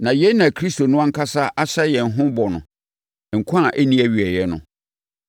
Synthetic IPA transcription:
nã˨jɛ˦nã˨kʰɾi˦sto˨nʊ̃˦a˦ŋ̩˦kʰa˦sa˦ʔa˦ɕɛ˦jɛ˨n˨ɦʊ̃˦bɔ˨nʊ̃˨ | ŋ̩˨kʰa˨ʔæ˦nĩ˦æ˨ɥi˨ɛ˨jɛ˦nʊ̰̃˨

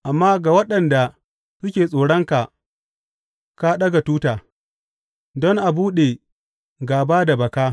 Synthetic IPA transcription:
ʔa˨mːaː˦ɡa˨wɐ˦ɗɐ˨nda˨ | sʊ˦kʲeː˨sʼoː˨ɽɔ˦ŋka˨ | ka˦ɗɐ˦ɡa˨tuː˦taː˨ | dɔ˦ŋʔa˨buː˦ɗe˨ | ɡaː˨baː˦da˨bɐ˨kaː˦

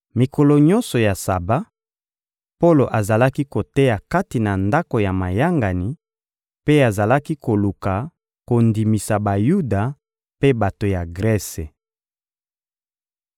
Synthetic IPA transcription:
mi˨kʰo˨lo˨ɲɔ˦nsɔ˨ja˨sa̰˨ba˦ | po˦lo˨ʔa˨za˨la˦ki˦ko˨te˦ja˨ka˦ti˨na˨nda˦ko˨ja˨ma˨ja˦ŋɡa˨ni˨ | pe˦a˨za˨la˦ki˦ko˨lu˨ka˨ | ko˨ndi˨mi˨sa˨ba˨ju˦da˨ | pe˦ba˨to˨ja˨ɡʁɛ˦se˨

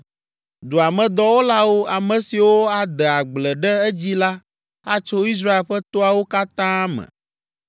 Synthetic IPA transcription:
d̪u˨a˨mɛ̃˨d̪ɔ˦wo˦la˦wo˦a˨mɛ̃˨si˨wo˦a˨d̪ɛ˨a˨ɡ͡blɛ˨ɖɛ˦ɛ˦d͡ʑi˦la˦ | a˦t͡ʃo˦i˦s̬ɾa˦e˨lɸɛ˦t̪o˦a˨wo˦ka˦t̪ã˦mɛ̰̃˨

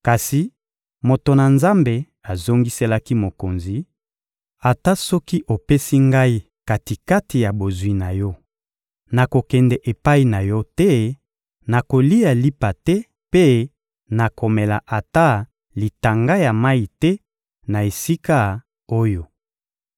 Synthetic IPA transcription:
ka˨si˨ | mo˨to˨na˨nza˦mbe˨ | a˨zo˦ŋɡi˦se˦la˦ki˦mo˨ko˨nzi˨ | a˨ta˦sɔ˦ki˦ʔo˨pe˦si˦ŋɡa˦i˦ | ka˨ti˨ka˦ti˨ja˨bo˨zwi˦na˨jɔ˦ | na˨ko˨kɛ˨ndɛ˨ʔe˨pa˦i˦na˨jɔ˦tɛ˦ | na˨ko˨li˦ja˨li˦pa˨tɛ˦ | pe˦ | na˨ko˨mɛ˨la̰˨ʔa˨ta˦ | li˨ta˨ŋɡa˦ja˨ma˦i˨tɛ˦ | na˨e˨si˦ka˦ | o˦jo˨

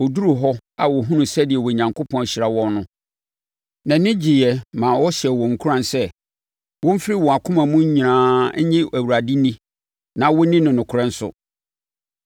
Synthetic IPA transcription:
ɔ˨du˦ɾu˨ɦɔ˦a˨wɔ˨ɦũ˦nʊ̃˨sɛ˦dɪ˨ɛ˨wɔ˨ɲã˨ŋkʰo˦pʰɔ̃˦n˨ɕi˨ɾa˨wɔ̃˦nnʊ̃˦ | nã˨nɪ̃˦d͡ʑi˨jɛ˨mã˨wɔ˦ɕɪ˨ɛ˨wɔ̃˨ŋ̩˨kʰu˦ɾã˨nsɛ˦ | wɔ̃˦m̩˦fɪ˦ɾi˦wɔ̃˨a˨kʰʊ̃˦mã˨mũ˦ɲĩ˨nãː˨˦ɲɪ̃˦ʔæ˨wu˨ɾa˨di˦nĩ˦ | nã˨wɔ˦nĩ˦nʊ̃˨nʊ̃˨kʰɾɛ̃˦n̩˦sʊ̰˨

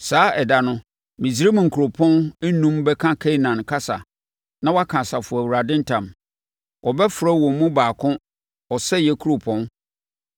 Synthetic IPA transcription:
saː˨˦ɛ˨da˨nʊ̃˦ | mĩ˨s̬i˨˦ɾe˦mũ˨ŋ̩˨kʰu˨o˨pʰɔ̃˦n˦nũ˦mbɛ˦kʰã˦kʰɛ˦i˦nã˨nkʰa˦sa̰˨ | nã˦wa˦kʰã˨sa˨fʊ˨æ˨wu˨ɾa˨dɪ̃˦n̩˦tʰã˨m | wʔɔ˨bɛ˦fɾa˦wɔ̃˨˦mũ˦baː˨kʰʊ̃˦ | ɔ˨sɛ˦jɛ˦kʰu˦ɾo˨pʰɔ̃˦n

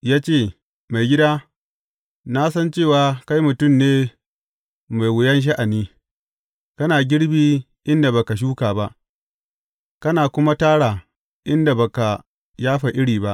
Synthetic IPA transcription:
jaː˦t͡ʃeː˦˨ | ma˨jɡʲɪ˦daː˦ | na˦sɐ˦nt͡ʃeː˦˨waː˨ka˦jmʊ˨tʊ˦˨mneː˦ | ma˨jwʊ˨jɐ˦nʃ̬a˦ʔa˨niː˦ | kɐ˦naː˨ɡʲɪ˦ɽbiː˦ | ʔɪ˦nda˨ba˨ka˨ʃ̬uː˦kaː˨ba˦ʔ | kɐ˦naː˨kʷʊ˦ma˦taː˦ɽaː˨ | ʔɪ˦nda˨ba˨ka˨ | jaː˦ɸa˨ʔɪ˦ɽiː˨ba˦ʔ

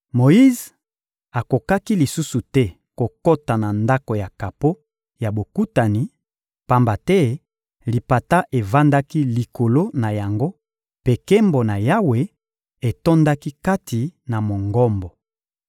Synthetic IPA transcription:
mo˨ji˦z | a˨ko˨ka˦ki˦li˨su˦su˨tɛ˦ | ko˨ko˦ta˨na˨nda˦ko˨ja˨ka˨po˦ | ja˨bo˨ku˦ta˨ni˨ | pa˦mba˨tɛ˦ | li˨pa˨ta˦ʔe˨va˦nda˦ki˦li˨ko˨lo˦na˨ja˨ŋɡo˦ | pe˨ke˦mbo˨na˨ja˦we˨ | e˨to˦nda˦ki˦ka˦tʰi˨na˨mo˨ŋɡɔ˦mbɔ˨

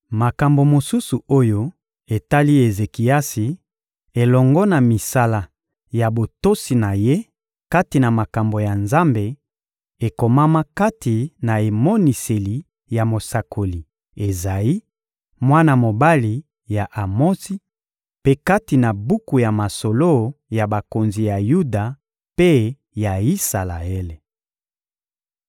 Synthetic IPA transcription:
ma˨ka˨mbo˨mo˨su˦su˨o˦jo˦ | e˨ta˦li˦e˨ze˨ki˨a˦si˨ | e˨lɔ˨ŋɡɔ˦na˨mi˨sa˦la˨ | ja˨bo˨to˦si˨na˨je˦ | ka˦ti˨na˨ma˨ka˨mbo˨ja˨nza˦mbe˨ | e˨ko˨ma˦ma˦ka˦ti˨na˨e˨mɔ˦ni˨se˨li˨ | ja˨mo˨sa˨kʰo˨li˨ | e˨za˨ji˦ | mwa˦na˨mo˨ba˦li˨ | ja˨ʔa˨mɔ˦si˦ | pe˦ka˦ti˨na˨bu˦ku˨ja˨ma˨so˨lo˦ja˨ba˨ko˨nzi˨ja˨ju˦da˨ | pe˦ | ja˨i˦sa˨la˨e˦le˨

